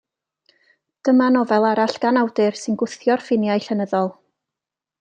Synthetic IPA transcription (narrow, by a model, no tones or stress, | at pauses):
d̥əmanɔvɛlˠaɾaɬɡ̥anawdɨrsɨnɡʊθjɔrfɪnjajɬɛnəðɔlˠ